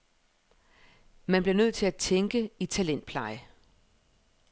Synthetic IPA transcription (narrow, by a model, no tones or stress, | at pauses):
mænb̥liɐnøð̰ˠt͡sʰe̝æt͡sʰeŋɡ̥əit͡sʰælen̰d̥̚pʰlɑ̈ɪə